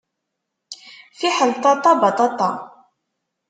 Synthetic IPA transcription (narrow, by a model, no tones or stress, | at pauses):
fiħəlt̪ɑt̪ˤɑbɑt̪ˤɑt̪ˤɑ